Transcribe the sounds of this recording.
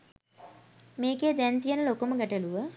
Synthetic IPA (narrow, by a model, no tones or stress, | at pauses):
meːkeːd̪ɛnt̪ijənəlokoməɡæʈəluʋə